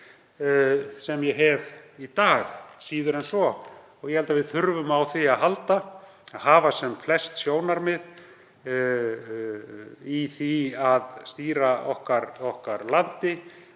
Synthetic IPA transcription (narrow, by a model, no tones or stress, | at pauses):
sɛmjɛɦɛvit̪aːxsiːðʏɾɛnsɔ | ɔɣjɛhɛlt̪avɪðθʏɾvʏmawθiaðɦalt̪a | aðhaːvasɛmflɛst̪sjoːwnaɾmɪð | iθiaðst̪iːɾaɔhkaɾɔhkaɾlant̪ɪ